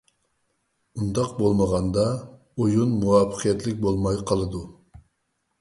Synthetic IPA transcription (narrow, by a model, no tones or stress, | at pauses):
und̪ɑqbolˠməʁɑnd̪ɑ | ojunmuwɑːpʰə̥qʰijɛt̪lɪk̚ʲbolˠmɑjqʰəlˠɨd̪u